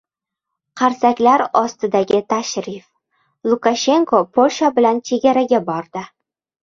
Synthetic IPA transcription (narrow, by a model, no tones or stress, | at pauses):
qʰɑɾsakʲlaɾɒst̪ɪd̪aɡʲɪt̪ʰaʃɾif | lˠʊkaʃe̞ŋkʰopʰolʲʃabɪlant͡ʃʰe̞ɡʲaɾaɡʲabɒɾd̪ɪ